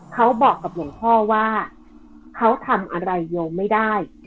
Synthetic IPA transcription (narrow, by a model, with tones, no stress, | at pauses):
kʰa˦˥wbɔː˨˩kːa˨˩p̚ju˨˩˦ŋpʰɔː˥˩waː˥˩ | kʰa˦˥wt̪ʰa˧mʔa˧ɾa˧jːo˧mːa˥˩jdaː˥˩j